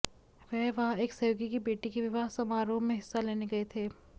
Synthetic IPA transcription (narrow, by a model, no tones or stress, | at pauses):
ʋɛːʋɐɦãeːksɐjoːɡikibeːʈikeʋɪʋaːsɐmaːɾõmẽɦɪsːaleːneɡɐet̪ʰeː